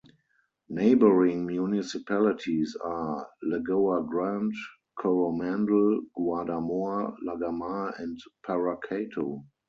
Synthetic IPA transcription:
neɪbəɹɪ̃ŋmjunɪsipʰælɪtʰisalɛɡoaɡɹãnt | kʰɔɹomæ̃ndl̩ɡ̥wadamoalaɡamaɛ̃ntpʰaɹakʰeɪtʰo

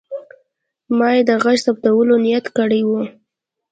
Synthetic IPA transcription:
mɑjed̪əɣaʃsap̚t̪awəlonijat̪kəɽəjwu

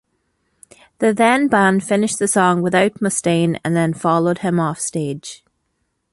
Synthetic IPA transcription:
ðɨðæ̃nbãnfɪnɪʃðəsɔ̃ŋwɪðəʊt̚məstĩnə̰̃nðə̃nfɑlˠəʊd̚ɪ̃mɔfstɛːd̥ʒ̥

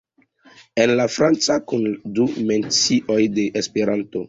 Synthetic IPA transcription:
enlafɾant͡sakundume̞nt͡siʔo̞jde̞ʔespe̞ɾanto̞

